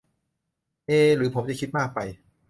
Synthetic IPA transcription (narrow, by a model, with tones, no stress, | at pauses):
ʔeː˧ɾɯː˩˦pʰo˩˦mt͡ɕa˨˩kʰi˦t̪̚maː˥˩k̚pa˧j